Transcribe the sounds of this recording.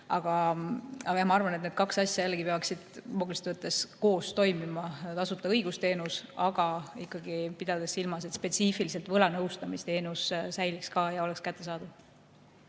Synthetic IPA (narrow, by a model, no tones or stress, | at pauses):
ɑɡ̥ɑ | ɑɡɑjɑmɑɑrvɑnet̪ned̪̚kɑksɑsʲjɑjælːeɡ̥ipe̞ɑksid̪̥moɡ̥ulist̪vɤt̪ːˑe̞sko̞ːst̪o̞jmimɑt̪ɑsut̪ːˑɑɤjɡ̥ust̪e̞ːnusɑɡ̥ɑikːˑɑɡ̥ipid̪̥ɑd̪e̞silmɑs̬et̪spe̞t̪sifiliselt̪vɤlɑnɤwst̪ɑmist̪e̞ːnussæjlikskɑːjɑo̞lekskæt̪ːe̞s̬ɑːd̪̥uv